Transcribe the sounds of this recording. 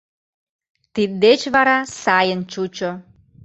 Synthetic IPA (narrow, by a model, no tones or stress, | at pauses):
t̪id̪̚d̪et͡ɕβɑɾɑsɑjənt͡ɕut͡ɕo